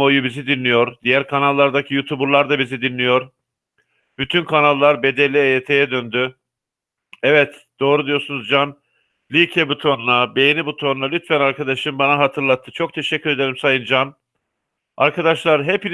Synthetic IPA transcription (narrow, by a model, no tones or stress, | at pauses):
o̞jubizid̪inlːʲijo̞ɾd̪ijæɾkʰanalˠːaɾd̪acʰijut̪ʰubuɾlˠaɾd̪abizid̪inlːʲijo̞ɾ | b̥yt̪ʰynkʰanalˠːaɾbe̞d̪elʲːiejet̪ʰe̞jɛd̪ønd̪y | ɛvɛt̪d̪̥o̞ːɾud̪ijo̞ɾsunuzd͡ʒan | lʲicʰɛbut̪ʰo̞nlˠabejinibut̪ʰo̞nlˠalʲyt̪fænaɾkʰad̪aʃɯmbanaɦat̪ʰɯɾlˠat̪ʰːɯt͡ʃʰo̞k̚t̪ʰe̞ʃɛcʰʲːyɾe̞d̪e̞ɾimsajɯnd͡ʒan | aɾkʰad̪aʃlˠaɾɦepin